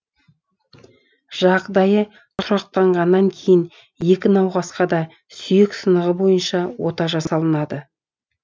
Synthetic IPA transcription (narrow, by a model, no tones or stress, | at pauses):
ʒ̥ɑqd̪ɑjə | t̪ʰʊɾɑq̚t̪ɑɴʁɑnːɑŋkʲʰe̞jɪn | je̞kʲɪnɑwʁɑsqɑd̪ɑ | sʏjɪksənəʁəbo̞jənʃɑwo̞t̪ɑʒɑssɑlˠənɑd̪ə